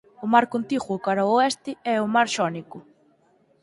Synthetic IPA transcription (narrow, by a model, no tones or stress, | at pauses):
ʊmaɾkont̪iɣwʊkaɾaʊɛst̪ɪɛʊmaɾʃɔnikʊ